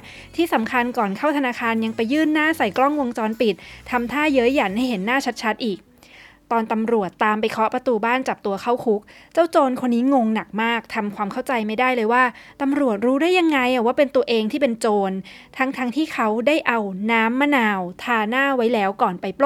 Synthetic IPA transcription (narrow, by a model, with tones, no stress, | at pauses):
t̪ʰiː˥˩sa˩˦mkʰa˧nkɔː˨˩nkʰa˥˩wt̪ʰa˧naː˧kʰaː˧nja˧ŋpa˧jːɯː˥˩nːaː˥˩sa˨˩jklɔ˥˩ŋwo˧əŋt͡ɕɔː˧npi˨˩t̪̚ʰːa˧mt̪ʰaː˥˩jɤ˦˥ja˨˩nha˥˩jɦe˩˦nːaː˥˩t͡ɕʰa˦˥t̪̚t͡ɕʰa˦˥t̪̚ʔiː˨˩k̚ | t̪ɔː˧nt̪a˧mɾu˨˩ət̪ːaː˧mpa˧jkʰɔ˦˥pɾa˧t̪uː˧baː˥˩nt͡ɕa˨˩p̚t̪u˧ɐkʰa˦˥˩wkʰu˦˥k̚t͡ɕaː˥˩wt͡ɕoː˧nkʰo˧nːiː˦˥ŋo˧ŋna˨˩k̚maː˥˩k̚t̪ʰa˧mkʰwaː˧mkʰa˥˩wt͡ɕa˧jma˥˩jdaː˥˩jlɤː˧jwaː˥˩t̪a˧mɾu˨˩ət̪̚ɾuː˦˥daː˥˩jːa˧ŋːa˧jʔa˨˩waː˥˩pe˧nt̪u˧ɐʔeː˧ŋt̪ʰiː˥˩pe˧nt͡ɕoː˧n | t̪ʰa˦˥ŋt̪ʰa˦˥ŋt̪ʰiː˥˩kʰa˦˥wdaː˥˩jʔa˧wnaː˦˥mːa˥naː˧wt̪ʰaː˧naː˥˩wa˦˥jlɛː˦˥wkɔː˨˩npa˧jpl